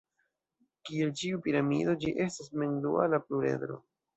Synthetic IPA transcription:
kie̞lt͡ʃiupiɾamḭdo̞d͡ʒiʔe̞stasmendua̰lapluɾe̞̰dɾo̞̰

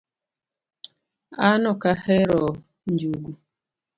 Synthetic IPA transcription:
anʊkaheɾɔ | n̩d͡ʒuɡu

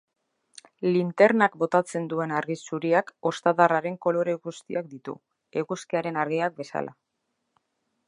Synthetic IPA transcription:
lint̪e̞ɾnakbo̞t̪at͡se̞nd̪ue̞naɾɣisuɾiako̞st̪aðaraɾe̞ŋko̞lo̞ɾe̞ɣust̪iak̚d̪it̪ṵ | eɣuskiaɾe̞naɾɣiak̚be̞sa̰la̰

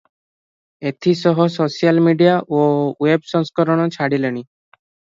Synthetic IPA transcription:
et̪ʰisɔɦɔsosialmiɖijaʔowebsɔŋskɔɾɔɽ̃ɔt͡ʃʰaɽileɽ̃i

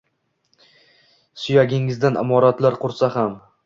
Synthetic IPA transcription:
sʊjaɡʲɪŋɪzd̪anʔa̰mɒɾat̪laɾqʰʊɾsaham

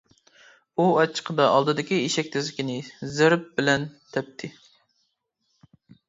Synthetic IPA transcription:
uɑt͡ʃʰːə̥qʰəd̪ɑʔɑlˠd̪ɨd̪ɪkʲiiʃɛkʲt̪ʰɪzlɪkʲinɪzɪɾp̚bɪlɛnt̪ʰɛp̚t̪ʰɪ

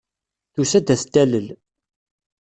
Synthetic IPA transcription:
θusæd̪æθt̪ːæləl

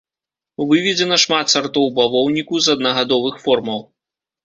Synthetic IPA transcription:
uvɨvʲɛd͡zʲɛnɐʂmat̪sart̪ɔwbavɔwnʲikuzɐd̪nɐɣad̪ɔvɨxfɔrmɐw

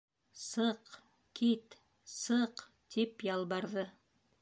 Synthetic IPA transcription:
sɤq | kit̪ | sɤq | t̪ʰipjɑlˠbɑɾðɤ

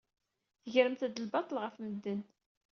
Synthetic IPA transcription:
θəʝɾəmθæd̪əlbɑt̪ˤəlʁəfməd̪ːən

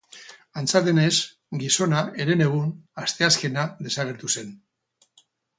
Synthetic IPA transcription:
ant͡sald̪e̞ne̞z | ɡiso̞naeɾe̞ne̞ɣ̞unast̪e̞aske̞naðe̞saɣ̞e̞ɾt̪use̞n

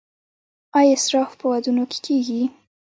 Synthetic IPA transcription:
ɑjɑɪsɾɑfpəwad̪unokʰe̥kʰeɡi

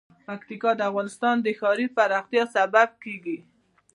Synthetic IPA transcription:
pakt̪ikɑd̪əafɣɑnɪst̪ɑnd̪əxɑɾipaɾɑxt̪ijɑsabab̚keɡi

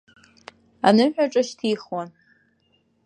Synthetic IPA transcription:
anɨħᶣʷaʈ͡ʂʼɐʃtʰiːχwɔn

